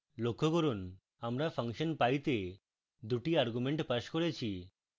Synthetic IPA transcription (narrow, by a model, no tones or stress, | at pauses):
lokʰːokoɾun | amɾapʰaŋʃonpajt̪e | d̪uʈiaɾɡumeɳʈpaʃkoɾet͡ɕʰi